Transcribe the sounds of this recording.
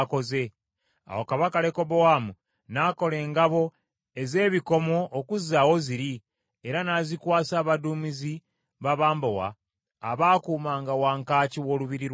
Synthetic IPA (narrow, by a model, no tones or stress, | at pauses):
ko̞ze̞ | a̰wokaβakale̞ko̞bowamu | nako̞le̞ːŋɡaβo̞ | e̞ze̞ːβiko̞mo̞ʔːkuzawo̞ziɾi | e̞ɾanaːzikwaːsaːβaduːmizi | βaβaːmbowa̰ː | βaːkuːmaːŋɡawaːŋkaːciwo̞ːluβiɾiɾ